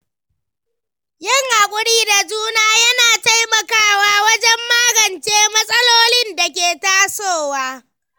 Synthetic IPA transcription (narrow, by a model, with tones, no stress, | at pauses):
jɪ˦˨ŋʔa˨kʷʼʊ˦ɽiː˦da˨d͡ʒuː˦naː˦jɐ˦naː˨ta˦jmɐ˨kaː˦waː˦wɐ˦d͡ʒɛ˦mːaː˦ɡɐ˨nt͡ʃeː˦mɐ˦sʼɐ˦loː˦lɪ˦nda˨kʲeː˨taː˦soː˦˨waː˦